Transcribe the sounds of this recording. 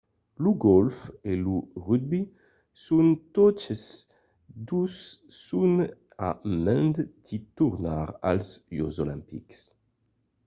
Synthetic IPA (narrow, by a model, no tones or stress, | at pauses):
luɡɔlfeluʁyd̪̚bi | sunt̪ɔt͡ʃəs | d̪usːun | amɛ̃nd̪d̪̥it̪uʁnaʁa̰lzjozolɛ̃mpḭks